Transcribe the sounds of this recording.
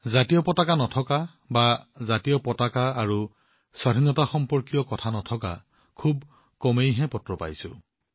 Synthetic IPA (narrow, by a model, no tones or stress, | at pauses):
zatijɔpɔtakanɔtʰɔka | bazatijɔpɔtakaːɹu | swaɾʱinɔtaxɔmpɔɹkijɔkɔtʰanɔtʰɔka̰ | kʰub̚ | kɔmejɦɛ̃pɔtɹɔpa̰jsʊ̰̃